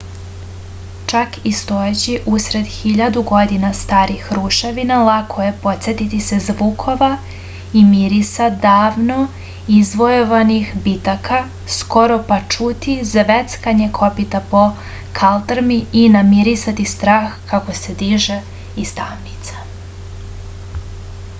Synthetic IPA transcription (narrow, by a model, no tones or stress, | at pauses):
t͡ʃakist̪ojet͡ɕiʔusɾe̞d̪xiʎad̪uɡo̞d̪inast̪aːɾixɾuʃeʋinalˠakʰojepo̞t̪sʲet̪it̪isezʋukʰo̞ʋa | imiɾisad̪aːʋno | izʋo̞joʋanixbit̪aka | sko̞ɾo̞pat͡ʃut̪izʋet̪skaɲekʰo̞pit̪apo̞ | kʰalˠt̪ɾmiinamiɾisat̪ist̪ɾaːxkako̞se̞d̪iʒe | ist̪amnit̪sḁ